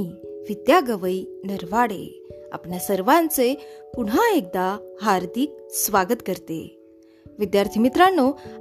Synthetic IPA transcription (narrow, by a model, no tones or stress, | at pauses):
iʋid̪jaɡəʋəinəɾʋaɽḛ | a̰pɳjasəɾʋãnt͡sepuɽ̤ɦãek̚d̪aɦaɾd̪ik̚sʋaɡət̪kəɾt̪ḛ | ʋid̪jaɾt̪ʰimit̪ɾanːo